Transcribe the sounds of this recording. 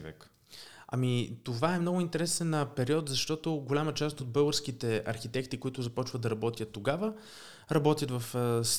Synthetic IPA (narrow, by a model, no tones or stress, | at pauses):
vɛ̰k | ɐ̰mit̪ovaɛmnɔɡʊint̪ɛɾɛsɛnəpɛɾiɔt̪zɐʃt̪ɔt̪oɡolʲamət͡ʃast̪od̪̚bɤlˠɡəɾskit̪ɛɐɾxit̪ɛkt̪ikoit̪ʊzɐpɔt͡ʃvəd̪ɐɾɐbɔt̪ʲjət̪ːoɡavə | ɾɐbɔt̪ʲjət̪vɐfs